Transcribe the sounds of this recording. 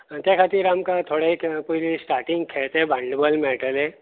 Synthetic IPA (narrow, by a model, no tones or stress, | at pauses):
t̪jakʰat̪iːɾamkat̪ʰoɽaikpojlisʈaɾʈiŋɡ̚kʰeɭt̪eẽbʱãɳɖəbəlmeʈəlẽ